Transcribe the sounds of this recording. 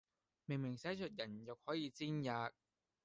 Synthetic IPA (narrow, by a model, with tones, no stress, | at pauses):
mɪ˨˩ŋmɪ˨˩ŋsɛː˨˥t͡ʃʰɵ˨t̚jɐ˨˩njʊ˨˩k̚hɔː˨˥jiː˧t͡siː˥njaː˨˧k̚